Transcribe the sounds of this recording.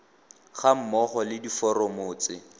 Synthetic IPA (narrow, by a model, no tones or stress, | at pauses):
χam̩mɔχɔlɪdifɔrɔmʊːt͡sɪ